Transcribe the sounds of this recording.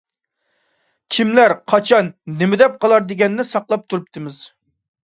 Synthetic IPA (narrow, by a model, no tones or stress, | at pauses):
kʲʰimlæɾqʰɑt͡ʃʰɑnːɪmɪd̪ɛp̚qʰɑlˠɑɾd̪ɪɡʲɛnːɪsɑqlˠɑp̚t̪ʰuɾup̚t̪ʰɨmɪz̥